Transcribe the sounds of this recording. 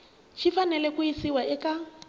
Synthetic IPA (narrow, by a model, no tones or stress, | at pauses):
ʃʰifanɛlɛkʊisiwaʔɪkʼa